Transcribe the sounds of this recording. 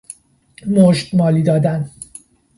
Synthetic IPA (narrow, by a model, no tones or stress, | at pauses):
moʃd̪̥mɒːliːd̪ɒːd̪æn